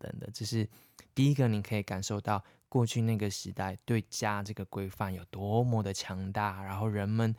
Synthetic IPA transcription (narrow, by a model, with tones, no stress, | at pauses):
t̪ə̰˨˩ŋd̪ə̰˩t͡ɕjo˥˧ʊʂɻ̩˥˩ | t̪i˥˩i˦˥ɡə˨ni˨˩kʰə˧˥i˨˩ka˨˩nʂo˥˧ʊt̪ɑ˥˨ʊ | kwɔ˥˧t͡ɕʰy˥˧na˥˩ɡə˩ʂɻ̩˧˦˥t̪a˥˩ɪt̪we˥˩ɪt͡ɕja˦ʈ͡ʂɤ˥˩ɡə˩kwe˥ɪfa˥˩njo˨˩ʊt̪wɔ˧˦mwɔ˧˥d̪ə˨˧t͡ɕʰjɑ˧˥ŋt̪a˥˩ɻa˧˥nxo˥˩ʊɻə˧˦nmə˨n